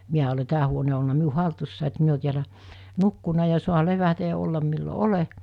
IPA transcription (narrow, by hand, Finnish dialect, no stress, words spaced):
miæ ole tæː huone o olnɑ miu hɑltusːɑˑi et mi o tiælæ nukːunɑ jɑ suɑ leʋætæ jɑ olːɑm milːo ole